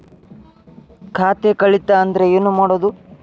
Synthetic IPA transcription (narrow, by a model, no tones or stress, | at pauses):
kʰaːt̪ekɐɭit̪ːɐːnd̪ɐɾe̞eːnːumaːɽoːd̪u